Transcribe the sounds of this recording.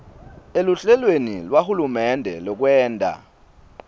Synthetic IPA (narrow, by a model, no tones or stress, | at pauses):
eluɬɛlwenilwahulumɛndʱɛ̰lɔk̬wɛːntʼa̰